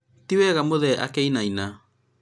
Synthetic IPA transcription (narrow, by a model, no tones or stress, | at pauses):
tiwɛɣamoðɛʔa̰keinaina